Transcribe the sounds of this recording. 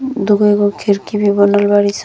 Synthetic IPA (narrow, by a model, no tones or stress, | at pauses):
d̪uɡɔjɡɔkʰiɾkibibɔnɔlbaɾis